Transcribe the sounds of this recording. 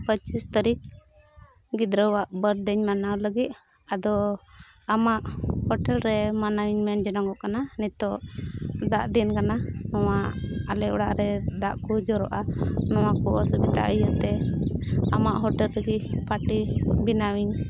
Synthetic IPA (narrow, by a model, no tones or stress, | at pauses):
pət͡ʃist̪aɾik̚ | ɡid̪ɾəwaʔbəɾɖɛɲmanawləɡit̪̚ | ad̪ɔ | amaʔhɔʈɛlɾɛmanawiɲmɛnd͡ʒɔnaŋɡɔʔkananit̪ɔ | d̪aʔd̪inkananɔwaalɛʔɔɽaʔɾɛd̪aʔkud͡ʒɔɾɔʔanɔw̃akɔʔɔsəbit̪a̰ʔəjət̪ɛ | amaʔɦɔʈɛlɾɛɡipaʈibinawiɲ